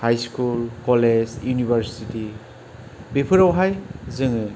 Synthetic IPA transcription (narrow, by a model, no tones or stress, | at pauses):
hajskulkɔled͡ʒjunibʱaɾsiti | bipʰɯɾawɦajzɯŋɯ